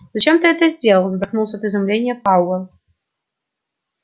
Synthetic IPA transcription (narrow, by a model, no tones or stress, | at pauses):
zɐt͡ɕemt̪ɨɛt̪əzʲdʲelˠəlˠzɐt̪ɐknulˠsʲəɐt̪ɨzʊmlʲenʲɪjəpawə